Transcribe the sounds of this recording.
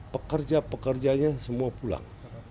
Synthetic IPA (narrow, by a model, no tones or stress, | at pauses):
pəkərd͡ʒapəkərd͡ʒaɲasəmuapula̰ŋ